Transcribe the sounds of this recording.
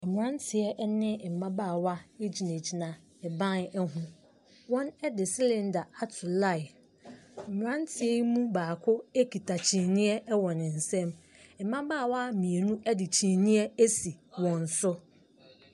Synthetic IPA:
ɛ˨m˨ɾã˦ntʰɪ˨ɛ˦ʔnɪ̃˦˨m̩˨mã˦baː˦˨wa˦e˦d͡ʑi˨ne˨d͡ʑi˨nã˨ | ɛ˨bã˦nɛ˦ɦʊ̃˦ | wɔ̃˦nɛ˦dɪ˨si˦lɛ̃˨n˦da˨a˦tʰʊ˨la˦˨ɪ˨ | m̩˨m˨ɾã˦n˦tʰɪ˨ɛ˦mũ˦baː˨kʰʊ˦e˦kʰi˨tʰa˨t͡ɕʰĩ˨nɪ̃˦ɛ˦ʔwɔ̃˨nɪ̃˨n̩˨sɛ̃˦m˨ | m̩˨mã˦baː˦˨wa˦mĩ˨e˨nũ˦ʔɛ˦dɪ˨t͡ɕʰĩ˨nɪ̃˦ɛ˦e˦si˨wɔ̃˨n̩˨sʊ˦

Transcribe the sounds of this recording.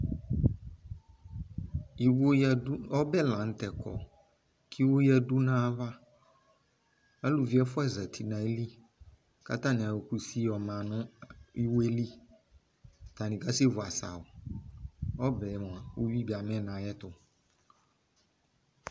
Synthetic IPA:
i˨wo˦˨˦ɔ˦bɛ˦˨lã˨n̩˦tɛ˨kʰɔ̰˨ | kʰi˦wo˦jɛ˦du˦nã˦va˦ | a˦lu˨vi˨˦ɛ˦fʊ˦ɛ˦˨za˨t̪ʰi˨nã˨e˦li˦ | ka̰˦ta˦nɪ̃˨a˨wo˨ku˨si˦ɔ˨mã˨nʊ̃˦i˦wo˦e˦li˦ | ta˨nɪ̃˨ka˦se˦vʊ˨a˨sa̰˨ʊ˨ | ɔ˦bɛ˨m˨a˨wo˦wi˦bi˨a˨mɛ̃˦˨nã˨jɛ˦tʊ˨

